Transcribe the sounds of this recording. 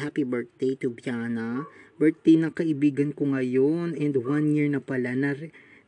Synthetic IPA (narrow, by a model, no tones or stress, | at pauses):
ɦapibɛɹt̪̚d̪̥ejt̪ʊbjanɐbɛɹt̪̚d̪ejnɐkɐʔɪbiːɡɐnkoŋɐjonɛ̃nd̪wãnjiɹnɐpɐlanɐɾɛ